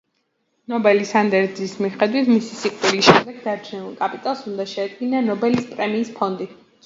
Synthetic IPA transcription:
nɔbɛlisand̪ɛɾd̪zismiχɛd̪wit̪ʰmisisiqʼvilisʃɛmd̪ɛɡ̚d̪aɾt͡ʃʰɛnulˠkʼapʼit̪ʼalˠsund̪aʃɛad̪ɡinanɔbɛlispʼɾɛmiːspʰɔnd̪i

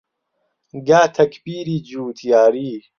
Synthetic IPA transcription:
ɡaːt̪ʰɐkbiːɾiːd͡ʒuːt̪ʰjaːɾiː

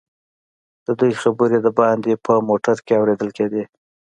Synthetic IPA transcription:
d̪̥əd̪ujxabəɾed̪əbɑnd̪epʰəmoʈaɾkeawɾed̪əlked̪i

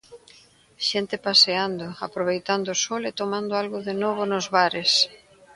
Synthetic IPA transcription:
ʃɛnt̪ɪpaseand̪ʊapɾoβejt̪and̪ʊsɔlet̪omãnd̪oalɣʊðenɔβ̞ʊnʊzβaɾɪs

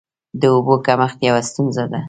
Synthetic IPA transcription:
d̪əobokamaxt̪jawast̪unzad̪a

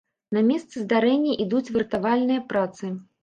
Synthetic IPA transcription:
nɐmʲɛst̪sɨzd̪aɾɛnʲːɐʔid̪ut͡sʲvʲɨrt̪avalʲnɨjɐpɾat̪sɨ

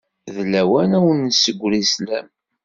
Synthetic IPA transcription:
ðlːæwænæwənːsəɡʷːɾislæm

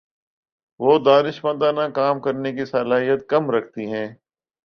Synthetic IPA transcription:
ʋoːd̪aːnɪʃmə̃nd̪ãnakaːmkɐɾnekisɐlaːɦijət̪̚kɐmɾɐkʰt̪iɦɛ̃ː

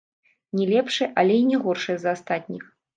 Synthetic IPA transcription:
nʲɛlʲɛpʂɨʔɐlʲɛinʲɛɣɔrʂɨjɛzɐast̪at̪ʲnʲix

